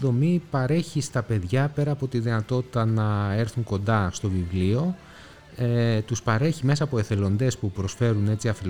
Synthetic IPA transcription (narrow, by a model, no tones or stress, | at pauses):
ðo̞mipɐɾe̞çist̪ɐpe̞ðʝɐpe̞ɾɐːpo̞t̪iðinɐt̪o̞t̪i̥t̪ɐnɐe̞ɾθuŋko̞nd̪ɐst̪o̞vivlio̞ | et̪uspɐɾe̞çime̞sɐːpoe̞θe̞lo̞nd̪e̞spupɾo̞sfe̞ɾune̞t͡siɐfil